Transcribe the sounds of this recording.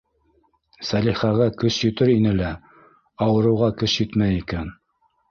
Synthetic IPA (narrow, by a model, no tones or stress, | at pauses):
sæliχæɣækɵʃjɵ̆t̪ɘɾinɘlæ | ɑwɤ̆ɾɤ̆wʁɑkɵʃjɘt̪mæjikæn